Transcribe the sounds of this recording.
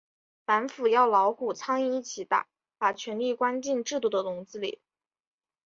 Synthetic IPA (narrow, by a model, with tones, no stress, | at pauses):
fa˧˥nfu˨˩jɑ˥˩ʊlɑ˧˥ʊxu˥˩t͡sʰɑ˥ŋi˥˧i˥˩t͡ɕʰi˨˩t̪a̰˨˩˦ | pa˨˩t͡ɕʰɥɛ˧˥nli˥˩kwa˥nt͡ɕi˥˧nʈ͡ʂɻ̩˥˧t̪u˥˩d̪ə˩t̪ʊ˧˥ŋt͡sɹ̩˥lḭ˨˩˦